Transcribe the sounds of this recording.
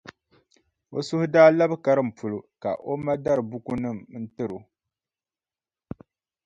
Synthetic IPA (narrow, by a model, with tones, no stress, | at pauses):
o˨sʊ˦hʊ˦daː˦la˦bɨ˦ka˨ɾɨ˦m̩˨pu˨lo˨ka˨ʔo˦ma˦da˦ɾɨ˨bu˦ku˦nɨ˦m˦n̩˦tɨ˦ɾo˨